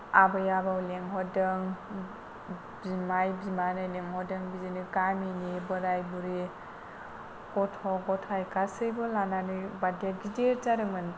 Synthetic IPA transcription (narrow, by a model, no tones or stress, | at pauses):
abɯjabawleŋɦɔdɯŋ | bimajbimanɯjleŋɦɔdɯŋbizinɯkaminibɯɾajbuɾi | kɔtʰɔɡɔtʰajkasɯjbɔlananɯbadet̚ɡideɾtaɾɯmɯn